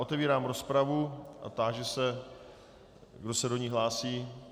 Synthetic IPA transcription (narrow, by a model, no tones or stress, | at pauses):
ʔot̪ɛviːɾaːmɾo̞spɾavuʔa̰t̪aːʒɛsɛ | ɡdo̞sɛdo̞ɲiɦlaːsiː